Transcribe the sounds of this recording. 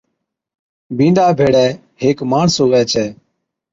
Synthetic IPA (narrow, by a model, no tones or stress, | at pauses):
bʱĩːɳɖaːbʱeːɽɛː | heːkmaːɳsoːʋɛːt͡ʃʰɛː